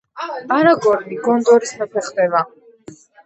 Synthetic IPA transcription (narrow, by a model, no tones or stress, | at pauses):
aɾaɡɔɾniɡɔnd̪ɔɾisapʰɛχd̪ɛva